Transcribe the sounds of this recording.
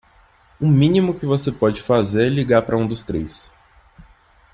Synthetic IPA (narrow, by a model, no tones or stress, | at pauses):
ʊmĩnimʊkɪvosepɔd͡ʒɪfazeɾɛliɡaɾpɾɐũd̪ʊst̪ɾejs